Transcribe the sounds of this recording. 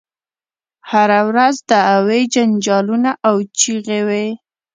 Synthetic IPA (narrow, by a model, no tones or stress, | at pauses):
haɾawɾazd̪əawed͡ʒand͡ʒɑlunaʔawt͡ʃiɣewe